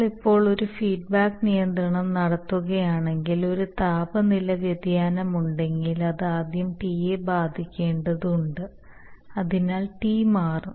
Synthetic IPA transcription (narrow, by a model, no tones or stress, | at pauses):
ɭipːo̞ːɭo̞ɾufiːɖ̚baːkːnijɐnd̪ɾɐɳɐmnɐɽɐt̪ːuɣɐjaːɳe̞ŋɡilo̞ɾut̪aːbɐnilɐʋjɐd̪jaːnɐmuɳɖe̞ŋɡilɐðɨaːd̪jɐmpiːjebaːd̪ʱikʲːe̞ːɳɖɐðuuɳɖɨ | ɐðinaːlʈiːmaːru